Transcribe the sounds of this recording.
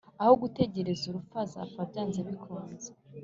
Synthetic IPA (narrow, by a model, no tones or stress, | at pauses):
aho̞ɡute̞ɟe̞ɾe̞zuɾufaza̰fabjaːnzeβikʰuːmnze